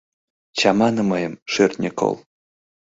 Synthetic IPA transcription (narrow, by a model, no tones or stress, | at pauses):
t͡ɕɑmɑnɤ̆mɤjɤ̆mʃørʲt̪ʲnʲeko̰lˠ